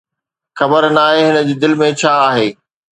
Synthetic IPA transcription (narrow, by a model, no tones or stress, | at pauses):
xɐbəɾnaːɦeɦɪnə̆d͡ʑeːd̪ɪlmẽt͡ɕʰaːɦeː